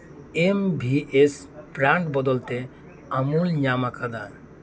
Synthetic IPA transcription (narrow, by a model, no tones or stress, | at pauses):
embʱiʔes | pɾaɳʈbɔd̪ɔlt̪ɛ | amulɲamakad̪a